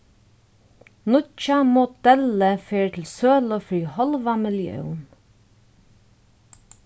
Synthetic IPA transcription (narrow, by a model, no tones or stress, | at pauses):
nʊt͡ʃamʊd̪̥ɛləfeːɹt̪ʰɪlsøːləfɹiːhɔlʋamɪljœ̰ʊn